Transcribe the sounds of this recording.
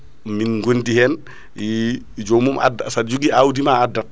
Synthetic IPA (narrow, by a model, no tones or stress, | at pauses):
minŋɡondihɛːn | ji | d͡ʒomuma̰dasad͡ʒuɡiawdimaadɐk̚